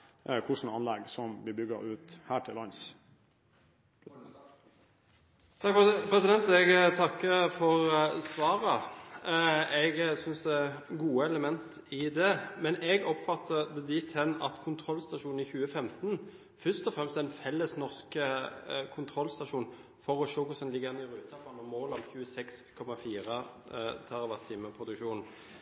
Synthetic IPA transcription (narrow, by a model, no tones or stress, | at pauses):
kʰʊʂn̩ɑnlɛɡsɔmbɪbʏɡə̰ɾʉːt̪hæːʈʰɪlʋɑns | t̪ʰɑkfpʰɾɛsɪd̪ɛnt̪ɛɡt̪ʰɑkːəfɔʁsʋɑːɾə | ɛɡsʏnsd̪ɛæɡuːəɛləmɛnt̪ | ɪd̪ɛmɛnɛɡɔpfɑt̪ːəd̪ɛd̪ɪt̪ʰɛnːɑ̰t̪kʰʊnt̪ʰɾɔlːst̪ɑʂuːnn̩ɪçʉːəfɛmt̪n | fœst̪ɔfʁɛmst̪ɛnfɛlːəsnɔʁskəkʰʊnt̪ʰʁɔlːst̪ɑʂuːn | fɔʁɔʃoːkʊsɛnlɪɡəɛnɪɾʉːt̪ʰɑpɑnɔmoːlɔmçʉːəsɛkskʰɔmɑfiːɾə | t̪ʰɑʁɑʋæt̪ʰːiːməpʰʁʊd̪ʉkʃuːnn̩